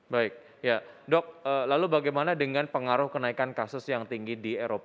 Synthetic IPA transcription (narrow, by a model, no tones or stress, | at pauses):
baɪk̚ | jadɔk̚əːlalubaɡajmanadəŋanpəŋaɾʊhkənaikankasʊsjaŋt̪iŋɡidieɾop